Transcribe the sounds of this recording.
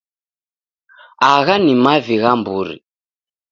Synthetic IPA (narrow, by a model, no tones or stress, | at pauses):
aɣanimaviɣambuɾḭ